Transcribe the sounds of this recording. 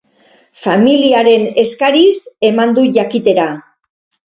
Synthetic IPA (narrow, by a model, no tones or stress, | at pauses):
familiaɾe̞ne̞skaɾise̞mand̪uʝakit̪e̞ɾa